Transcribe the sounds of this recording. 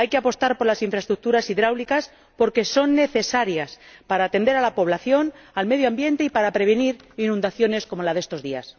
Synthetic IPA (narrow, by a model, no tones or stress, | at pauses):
ajke̞apo̞st̪aɾpo̞ɾlasiɱfɾaest̪ɾuk̚t̪uɾasiðɾawlikas | po̞ɾke̞so̞nːe̞θe̞saɾjaspaɾaːt̪e̞nd̪e̞ɾalapo̞β̞laθjo̞nalme̞ðjoambje̞nt̪e̞ipaɾapɾe̞β̞eniɾinũnd̪aθjo̞ne̞sko̞mo̞laðe̞st̪o̞zðia̰s